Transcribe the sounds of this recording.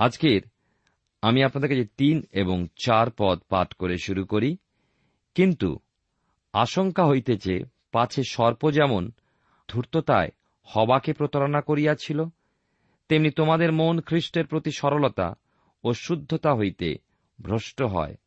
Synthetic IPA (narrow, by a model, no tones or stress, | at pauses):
ad͡ʑkeɾ | amiapnad̪eɾkaet̪ineboŋt͡ɕaɾpɔt̪̚pa̰ʈkoɾeʃuɾukoɾi | kint̪ṵ | aʃoŋkaɦojt̪et͡ɕḛ | pat͡ɕʰeʃɔɾpod͡ʑɛmon | d̪̥ʱuɾt̪ot̪a̰e | hɔbakepɾot̪aɾonakoɾijat͡ɕʰilo | t̪emnit̪omad̪eɾmonkʰɾiʃʈeɾpɾot̪iʃɔɾolot̪a̰ | oʃud̪ʱːot̪aɦojt̪ḛ | bʱɾoʃʈoɦɔ̰e